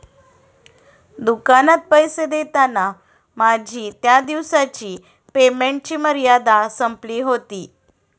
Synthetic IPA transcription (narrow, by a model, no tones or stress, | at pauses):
d̪ukanat̪̚pəjsed̪et̪ana | mad͡ʑʱiːt̪jad̪iʋsat͡ɕiː | pemeɳʈ̚t͡ɕiːməɾjad̪asəmpliːɦot̪iː